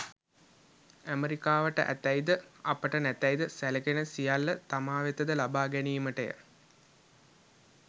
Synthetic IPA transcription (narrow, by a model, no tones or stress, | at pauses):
æmeɾikaːʋəʈə̰ʔæ̰t̪æjd̪əapəʈənæt̪æjd̪əsæləɡenəsijalːət̪amaːʋet̪əd̪əlabaːɡæniːməʈəjə̰